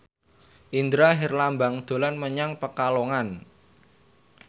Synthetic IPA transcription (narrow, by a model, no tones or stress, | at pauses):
ʔind̪ɾaɦirlambaŋd̪̥o̤lanməɲaŋpəkaloŋan